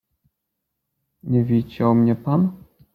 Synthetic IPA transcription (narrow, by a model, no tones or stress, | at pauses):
ɲɛvʲit͡ɕawmɲɛpan